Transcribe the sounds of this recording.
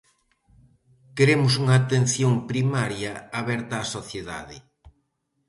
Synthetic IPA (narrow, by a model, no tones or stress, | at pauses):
keɾemʊs̬uŋaːt̪en̟θjoŋpɾimaɾjɐaβɛɾt̪aːsoθjeða̰ðɪ